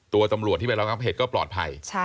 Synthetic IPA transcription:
t̪u˧ɐt̪a˧mɾu˨˩t̪ʰːi˥˩e˧nɾa˧ŋa˦˥pɦeː˨˩t̪̚kɔː˥˩plɔː˨˩t̪̚pʰa̰˧j

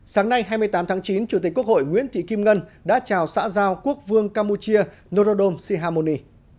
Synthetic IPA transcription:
saː˨˦ŋna˧jɦaː˧jmɨ˧əjt̪aː˨˦mt̪ʰaː˨˦ŋt͡ɕi˨˦nt͡ɕu˧˩t̪i˨˩k̚kːu˦˥ək̚ho̰˧˨jŋwḭ˧˥ənt̪ʰḭ˧˨ki˧mŋə˧nɗa̰ː˧˥t͡ɕaː˨˩wsa̰ː˧˥zaː˧wku˦˥ək̚vɨ˧əŋkaː˧mpu˧t͡ɕi˧ə | no˧zo˧ɗo˧msi˧ɦaː˧mo˧ni˧

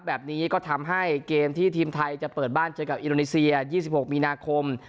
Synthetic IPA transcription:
bɛː˨˩p̚niː˦˥kɔː˥˩t̪ʰa˧mɦa˥˩jkeː˧mt̪ʰiː˥˩t̪ʰiː˧mt̪ʰa˧jt͡ɕa˨˩pɤː˨˩t̪̚baː˥˩nt͡ɕɤː˧ka˨˩p̚ʔi˧ndoː˧ni˦˥si˧ɐjiː˥˩si˨˩pho˨˩k̚miː˧naː˧kʰo˧m

